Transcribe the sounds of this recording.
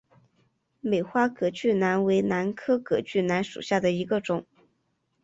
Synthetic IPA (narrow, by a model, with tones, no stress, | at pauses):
me˨˩ɪxwa˥kɤ˨˩t͡ɕy˥˩na˧˥nwe˧˥ɪna˧˥nkʰɤ˥kɤ˨˩t͡ɕy˥˩na˧˥nʂṵ˨˩ɕja˥˩d̪ə˩i˧˥ɡə˧ʈ͡ʂʊ˨˩˦ŋ